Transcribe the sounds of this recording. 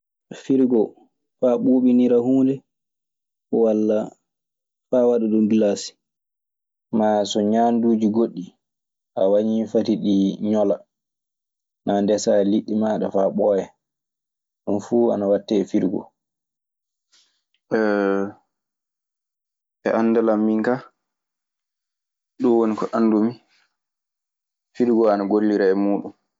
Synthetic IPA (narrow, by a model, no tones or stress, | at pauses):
fiɾɡɔ | faɓuːɓiniɾahuːndɛ | walːa | faːwaɗaɗumbilaːsi̥ | maːsɔɲaːnduːd͡ʒiɡoɗːi | ʔawaɲifatiɗiɲɔla | nandɛsaliɗːimaɗafaːɓɔːjɛ | ɗunfuːa̰nawatːɛfiɾɡɔ̰ | ɛ | ɛʔanːdalamːiŋka | ɗunwonikɔʔanːdumi | fiɾɡɔanaɡolːiɾaɛmuːɗum